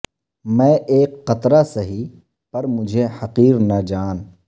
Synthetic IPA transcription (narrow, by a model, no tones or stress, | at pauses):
mɛ̃ːʔeːkːɐt̪ɾasɐɦi | pɐɾmʊd͡ʒʱehɐqiːɾnɐd͡ʒaːn